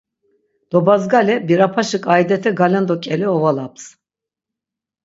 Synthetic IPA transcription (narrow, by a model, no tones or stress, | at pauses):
d̪̥obazɡalʲɛbiɾapʰaʃɯkʼaid̪et̪ʰɛɡalʲɛnd̪okʲʰʼelʲiovalˠaps